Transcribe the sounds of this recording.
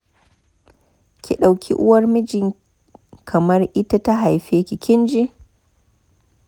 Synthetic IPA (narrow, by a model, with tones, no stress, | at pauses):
kʲʰi˨ɗa˨wkʲʰḭ˦ʔʊ̰˦wɐ˦rmɪ˦d͡ʒɪ˨ŋ | kʰɐ˨mɐ˦rʔɪ˦ta˦ta˦ɦa˨jɸeː˦kʲi˨kʲɪ˦nd͡ʒi˦